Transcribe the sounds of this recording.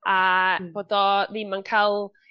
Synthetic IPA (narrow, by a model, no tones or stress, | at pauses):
ab̥od̪ɔðimankʰalˠ